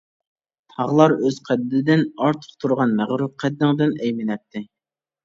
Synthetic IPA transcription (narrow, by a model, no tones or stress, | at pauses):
t̪ʰɑʁlˠɑɾøz̥qʰɛd̪ːɪd̪ɪnɑɾt̪ʰə̥qt̪ʰuɾʁɑnmæʁɾuqʰɛd̪ːɪŋd̪ɪnɛjmɪnɛp̚t̪ʰːɪ